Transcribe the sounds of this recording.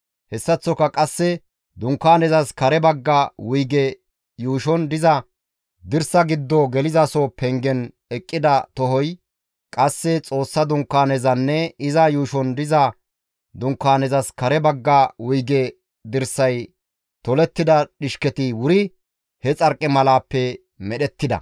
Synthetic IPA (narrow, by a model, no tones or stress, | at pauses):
hɛsːɐt͡sːɔkɐkʼɐsːɛ | d̪ʊŋkːaːnɛzɐskɐɾɛbɐɡːɐwʊjɡɛ | juːʃɔnd̪ɪzɐ | d̪ɪɾsɐɡɪd̪ːɔɡɛlɪzɐsɔpɛŋɡɛn | ɛkʼːɪd̪ɐt̪ɔhɔj | kʼɐsːɛt͡sʼo̞ːsːɐd̪ʊŋkːaːnɛzɐnːɛɪzɐjuːʃɔnd̪ɪzɐ | d̪ʊŋkːaːnɛzɐskɐɾɛbɐɡːɐwʊjɡɛ | d̪ɪɾsɐj | t̪ɔlɛt̪ːɪd̪ɐɗɪʃkɛt̪ɪwʊɾɪ | hɛt͡sʼɐɾkʼːɪmɐlaːpːɛ | mɛɗɛt̪ːɪd̪ɐ̰